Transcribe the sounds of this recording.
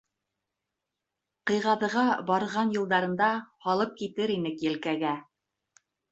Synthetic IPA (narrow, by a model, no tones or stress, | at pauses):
qɤ̆jʁɑðɤ̆ʁɑbɑɾʁɑnjŭlˠd̪ɑɾɤ̆nd̪ɑhɑlˠɤp̚kit̪ɘɾinɘkjɘ̆lkæɡæ